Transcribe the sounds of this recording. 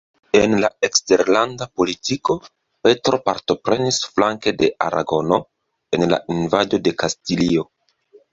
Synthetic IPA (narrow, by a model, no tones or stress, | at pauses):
e̞nlae̞kste̞ɾlandapo̞litiko̞ | pe̞tɾo̞paɾto̞pɾe̞nisflaŋke̞de̞ʔa̰ɾʔa̰ɡo̞no̞ | e̞nla̰invado̞de̞kastilio̞